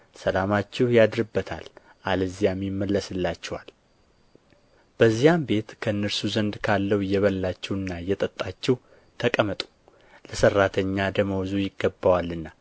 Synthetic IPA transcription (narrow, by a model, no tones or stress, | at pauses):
səlamat͡ʃːɛhjad̪ɾɨbːət̪ʰa̰l | ʔalɨzijamjmːəlːəsɨlːat͡ʃːɛwal | b̥əzːijambe̞t̪kʰəɨnːəɾsuzənd̪kʰalːəwjɛβəlːat͡ʃːɛwɨnːajɛt̪ʼət̪ʼːat͡ʃːɛw | t̪ʰəkʼəmət̪ʼu̥ | ləsərːat̪ʰəɲːad̪əməwzujɪɡːəbːawalːɨnːa